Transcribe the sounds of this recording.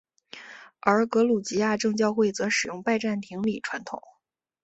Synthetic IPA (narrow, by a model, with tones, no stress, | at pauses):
ə˞˧˥kɤ˧˥lu˨˩t͡ɕi˧˥ja˥˧ʈ͡ʂɤ˥˧ŋt͡ɕjɑ˥˧ʊxwe˥˩ɪt͡sɤ˧˥ʂɻ̩˨˩jʊ˥˧ŋpa˥˧ɪʈ͡ʂa˥˩nt̪ʰi˧˥ŋli˨˩ʈ͡ʂʰwa˧˥nt̪ʰʊ̰˨˩˦ŋ